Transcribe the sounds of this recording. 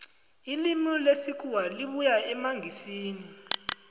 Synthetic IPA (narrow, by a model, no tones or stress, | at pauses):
ilimilesikʰʼuwaliɓujaɛmaŋɡʱisiːni